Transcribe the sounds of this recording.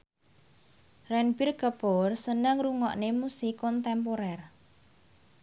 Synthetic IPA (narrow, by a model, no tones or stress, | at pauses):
rɛnbirɡəporsənəŋruŋɔʔnemusikɔnt̪ɛmpoɾɛr